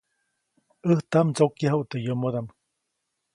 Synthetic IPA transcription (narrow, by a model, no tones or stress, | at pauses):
əht̪amt͡sokjaɦuʔt̪ejomod̪am